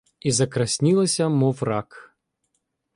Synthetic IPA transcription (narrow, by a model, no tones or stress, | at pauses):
izɐkɾɐsʲnʲilˠɐsʲɐmɔwɾak